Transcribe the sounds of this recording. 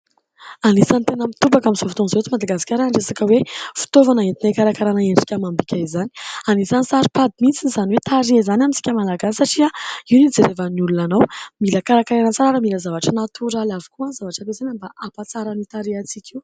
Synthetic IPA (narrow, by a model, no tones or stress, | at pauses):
anisant̪enəmit̪ubakaminz̥ofi̥t̪onzot͡simad̪aɡasi̥kʲaɾaɳɖ͡ʐesakəwefi̥t̪ovanaɦet̪inajkaɾakaɾanaeɳɖ͡ʐi̥kʲamambikʲaizani̥anisansaɾipad̪imint͡sinizaniwet̪aɾiaizanaminsi̥kʲəmalaɡassaʈ͡ʂiaiwnid͡zeɾevanulunanawmiləkaɾakaɾanət͡saɾaɾəmiləzavaʈ͡ʂənat̪ʰuɾalʲavi̥kuanzavaʈ͡ʂapesenəmbaʔapat͡saɾanit̪aɾiat͡sikʲʰiu